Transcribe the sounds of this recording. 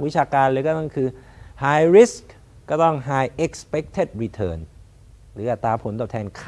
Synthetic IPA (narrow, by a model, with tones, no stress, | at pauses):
wi˦˥t͡ɕʰaː˧kaː˧nlɤː˧kɔː˥˩t̪ɔ˥˩ŋkʰɯː˧haː˧jɾi˦˥sk | kɔː˥˩t̪ɔ˥˩ŋɦaː˧jʔe˦˥k̚spe˦˥k̚t̪ʰe˥˩t̪̚ɾi˧t̪ʰɤː˧˩n | ɾɯː˩˦ʔa˨˩t̪ːaː˧pʰo˩˦nt̪ɔː˨˩t̪ʰɛː˧nkʰː